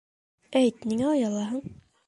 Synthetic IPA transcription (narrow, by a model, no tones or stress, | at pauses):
æjt̪niŋæɑjɑlˠɑɦɤɴ